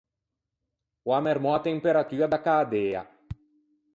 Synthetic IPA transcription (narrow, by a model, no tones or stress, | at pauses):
wamɛɾmɔat̪empeɾat̪yːad̪akaːd̪eːa̰